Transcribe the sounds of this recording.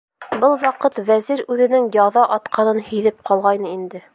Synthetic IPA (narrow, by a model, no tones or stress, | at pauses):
bɤlˠwɑqɤt̪væziɾʉðɘ̆nɘŋjɑðɑʔɒt̪qʰɑnɤnhɵ̆jðɘp̚qʰɒlˠʁɑjnɤind̪ɘ